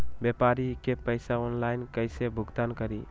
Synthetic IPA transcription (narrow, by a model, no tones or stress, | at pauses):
bepaɾikepəɪsaɔnlaɪnkəɪsebʱuɡt̪ankəɾi